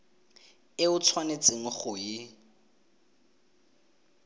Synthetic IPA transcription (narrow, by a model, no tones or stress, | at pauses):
ɪʊt͡sʰwanet͡sʼɪŋ̩χʊjɪ